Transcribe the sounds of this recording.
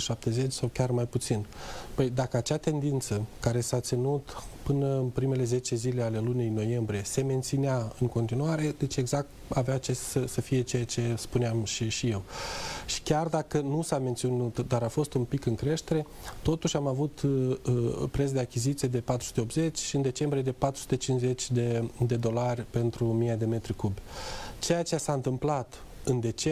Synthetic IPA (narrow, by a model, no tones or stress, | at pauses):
ʃap̚t̪e̞ze̞t͡ʃʲsawkʲarmajput̪sinpəjd̪akəat͡ʃat̪e̞nd̪int̪səkaɾe̞sat̪sinut̪pɨnəɨnpɾime̞le̞ze̞t͡ʃe̞zile̞ale̞lunijno̞je̞mbɾije̞se̞me̞nt̪sineaɨŋko̞nt̪inuaɾe̞d̪e̞t͡ʃe̞ɡzak̚t̪aveat͡ʃesəsəfijet͡ʃejat͡ʃe̞spuneamʃiʃije̞wʃi̥kʲard̪akənusame̞nt̪sio̞nut̪d̪aɾafo̞st̪umpikɨŋkɾe̞ʃt̪e̞ɾe̞ | t̪o̞t̪uʃʲamavut̪ | pɾes̬d̪e̞akʲizit̪sijed̪e̞pat̪ɾusut̪eo̞p̪ze̞t͡ʃʲʃiɨnd̪e̞t͡ʃe̞mbɾije̞d̪e̞pat̪ɾusu̥t̪et͡ʃinsze̞t͡ʃʲd̪ed̪e̞d̪o̞larʲpe̞nt̪ɾumijad̪e̞me̞t̪ɾikubʲt͡ʃe̞jat͡ʃesaɨnt̪ɨmplat̪ | ɨnd̪e̞t͡ʃe